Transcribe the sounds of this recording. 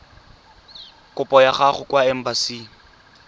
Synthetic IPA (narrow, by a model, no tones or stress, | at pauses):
kʼʊpʼɔjaχaχʊkwaɛm̩basiː